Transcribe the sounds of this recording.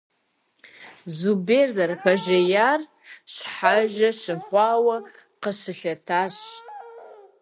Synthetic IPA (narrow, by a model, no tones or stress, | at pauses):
zuberzarpʰaʒajar | ʃħaʒaʃɨχʷawa | qəʃɨɬatʰaʃʼ